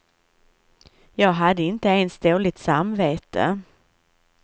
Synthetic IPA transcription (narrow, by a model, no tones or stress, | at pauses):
jɑːɡɦad̪ːəɪnt̪əɛnst̪oːlɪt̪samveːt̪ə̰